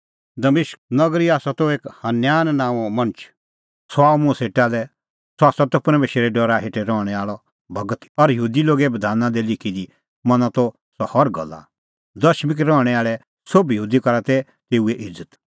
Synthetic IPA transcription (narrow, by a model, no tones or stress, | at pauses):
d̪ɐmɪʃk̚nɐɡɾiaːsat̪oeːkhɐnjaːnnãːʋɔmɐ̃nt͡ʃ | swaːmʊ̃seːʈalɛ | saːsat̪ɔpɾɐmeːʃeɾɛɖɔɾaɦeːʈɛɾɔːɽ̃ɛaːɭɔ | bɐɡət̪ɔɾjəɦuːd̪iloːɡɛbɐd̪ʱaːnãd̪ɛlɪkʰid̪i | mɐnat̪ɔ | sɔhɔɾɡɐ̰lːa̰ | d̪ɐʃmɪk̬ɾɔ̃ːɽ̃ɛaːɭɛ | sobjəɦuːd̪ikɐɾat̪ɛ | t̪eːueʔɪd͡zət̪